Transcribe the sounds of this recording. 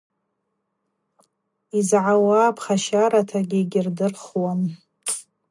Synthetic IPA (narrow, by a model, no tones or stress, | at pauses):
izʕawapʰχaʃaɾatʰaɡʲɪɡʲɪrdɨrχwan